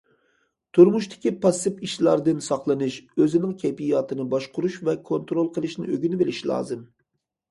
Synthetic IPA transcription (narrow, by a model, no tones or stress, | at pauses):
t̪ʰuɾmuʃt̪ʰɪ̥kʲipʰɑsɨpiʃlˠɑɾd̪ɨnsɑχlˠɨnɨʃøzɪnɪŋkʲʰejpijːɑt̪ʰɨnɨbɑʃqʊɾuʃvɛkʰont̪ɾolˠqʰəlˠɨʃnɪ̰ʔøɡʲynɪbeliʃilˠɑ̰ːzɨm